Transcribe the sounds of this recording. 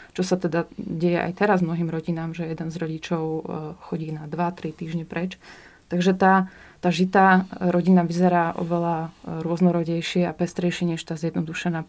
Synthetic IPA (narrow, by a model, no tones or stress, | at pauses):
t͡ʃɔsat̪ɛd̪aɟɛjɛʔa̰jt̪ɛɾazmnɔɦiːmɾɔɟinaːmʒɛjɛd̪ɛnzɾɔɟit͡ʃɔʊxɔɟiːnad̪ʋat̪ɾit̪iːʒɲɛpɾɛt͡ʃ | t̪aɡʒɛt̪aː | t̪aːʒit̪aːɾɔɟinaʋizɛɾaːʔɔ̰ʋɛlaɾʊɔznɔɾɔɟɛjʃɪɛapɛst̪ɾɛjʃɪɛɲɛʃt̪aːzjɛd̪nɔd̪uʃɛnaː